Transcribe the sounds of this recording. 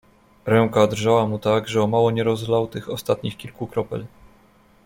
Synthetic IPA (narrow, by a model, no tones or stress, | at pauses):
ɾɛŋkad̪rʐawamut̪aɡʐɛɔmawɔɲɛɾɔzlawt̪ɘxɔst̪at̪ɲixkʲilkukɾɔpɛ̰l